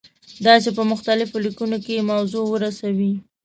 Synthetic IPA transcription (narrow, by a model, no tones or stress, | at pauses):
d̪ɑsepəmʊxt̪alɪfolikunokemawzowəɾasawi